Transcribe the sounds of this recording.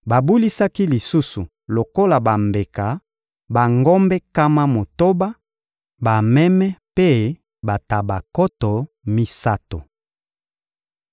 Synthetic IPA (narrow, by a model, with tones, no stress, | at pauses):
ba˨bu˦li˦sa˦ki˦li˨su˦su˨ | lo˨ko˦la˨ba˨mbe˨ka˨ | ba˨ŋɡɔ˦mbɛ˦ka˦ma˦mo˨to˦ba˦ | ba˨mɛ˦mɛ˦pe˦ | ba˨ta˨ba˨kɔ˦tɔ˨ | mi˦sa˦to˨